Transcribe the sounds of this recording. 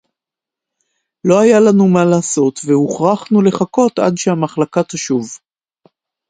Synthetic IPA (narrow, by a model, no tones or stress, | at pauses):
lo̞ajalanumalaːso̞t̪vehuχʁaχnule̞χako̞t̪a̰dʃehamaχlakat̪aʃuv